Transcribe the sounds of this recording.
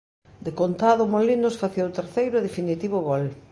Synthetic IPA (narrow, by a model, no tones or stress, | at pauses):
d̪ekont̪aðʊmolinʊsfaθiot̪eɾθejɾʊðefinit̪iβʊɣol